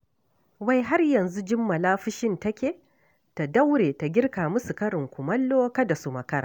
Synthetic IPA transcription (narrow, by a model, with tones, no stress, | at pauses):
wa˦˨jɦa˦rjɐ˨nzu˦d͡ʒɪ˦mːɐ˨laː˦ɸɪ˦ʃɪ˦ntɐ˦kʲeː˨ | ta˨da˦wɽeː˨ta˨ɡʲɪ˦rkaː˨mʊ˦su˨kɐ˦ɾɪ˨ŋkʷʊ˨mɐ˦lːoː˦kɐ˦da˨su˨mɐ˨kɐ˦ɾa̰˨